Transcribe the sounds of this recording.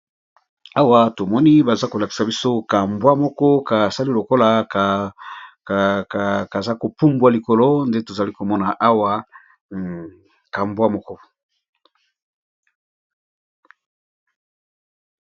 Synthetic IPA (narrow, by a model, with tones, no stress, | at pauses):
a˦wa˦to˨mɔ˦ni˦ba˨za˦ko˨la˨ki̥˨sa˨bi˦so˦ka˨mbwa˦mɔ˦kɔ˦ka˨sa˦li˦lo˨ko˦la˨ | kka˨za˦ko˨pu˦mbwa˨li˨ko˨lo˦nde˦to˨za˨li˦ko˨mɔ˦na˨ʔa˦wa˦ | ka˨mbwa˦mɔ˦kɔ˦